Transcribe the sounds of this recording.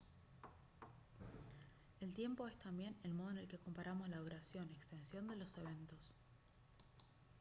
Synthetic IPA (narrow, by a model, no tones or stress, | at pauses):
e̞lt̪je̞mpo̞e̞st̪ambje̞ne̞lmo̞ð̞ene̞lke̞ko̞mpaɾamo̞zlaðuɾasjo̞nekst̪e̞nsjo̞nd̪e̞lo̞se̞β̞e̞nt̪o̞s